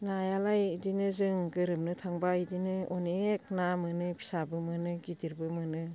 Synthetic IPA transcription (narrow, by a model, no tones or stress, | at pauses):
najalajdinɯzɯŋɡɯɾɯmnɯtʰaŋbaidinɯɔnek̚namɯnɯpʰi̥sabɯmɯnɯɡidiɾbɯmɯnɯ